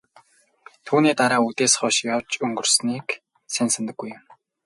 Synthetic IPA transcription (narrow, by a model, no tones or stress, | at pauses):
t̪ʰuːniːt̪aɾaːut̪eːsχɔʃjawt͡ɕɵŋɡɵ̆rsniːk | sensə̆nt̪ə̆ɡːujʊ̆m